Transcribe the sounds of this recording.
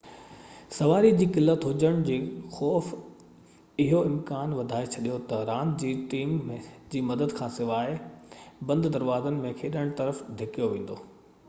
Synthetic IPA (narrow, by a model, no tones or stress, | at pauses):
sɐʋaːɾid͡ʑiːkɪlːət̪ɦʊd͡ʑəɽ̃d͡ʑiːxɔːf | ɪɦoɪmkaːnʋɐd̪ʱaːet͡ɕʰɐɗijot̪ɐɾãːnd̪d͡ʑiːʈiːmːẽd͡ʑiːmɐd̪əd̪kʰãːsɪʋaːɪbɐ̃nd̪d̪ɐɾʋaːzənɪ̆mẽkʰeːɗəɽ̃t̪ɐɾəfd̪ʱɪkijoʋẽːn̆d̪oː